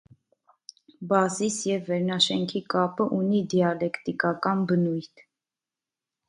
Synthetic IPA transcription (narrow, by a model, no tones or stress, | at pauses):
bɑzisjɛvːɛɾnɑʃɛŋkʰikɑpəʔunid̪iɑlɛkt̪ikɑkɑnbənujt̪ʰ